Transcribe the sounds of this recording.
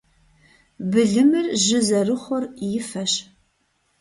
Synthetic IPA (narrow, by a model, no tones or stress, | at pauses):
bɨɮɨmɨrʒɪzɐrɨχʷʊrjɪfɐɕ